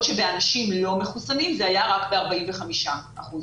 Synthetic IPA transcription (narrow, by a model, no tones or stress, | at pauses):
ʃe̞be̞anaʃimlo̞me̞χusanimzeajaʁakbe̞aʁbaimve̞χamiʃa | aχuz